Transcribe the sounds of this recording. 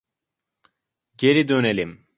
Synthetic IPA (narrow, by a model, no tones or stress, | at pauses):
ɟe̞ɾid̪ø̞nelʲim